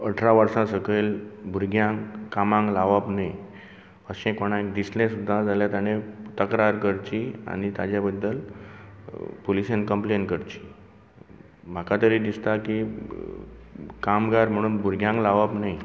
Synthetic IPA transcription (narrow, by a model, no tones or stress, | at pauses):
əʈʰɾaʋəɾsãsəkelbʱuɾɡʱjãŋkamãŋɡlaʋəpnaj | əɕẽkoɽ̃ãekd̪islẽsud̪ʱːad͡zaljat̪jañet̪əkɾaɾkəɾt͡ɕia̰ñit̪ad͡ʑjabəd̪ːəl | polisenkəmplenkəɾt͡ɕi̥ | m̤akat̪əɾid̪ist̪aki | kamɡaɾm̤əɽ̃uːnbʱuɾɡʱjãŋɡlaʋapnaj